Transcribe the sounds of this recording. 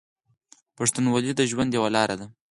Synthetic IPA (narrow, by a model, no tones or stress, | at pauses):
paʂt̪unwɑlid̪əʒwand̪jawalɑɾad̪a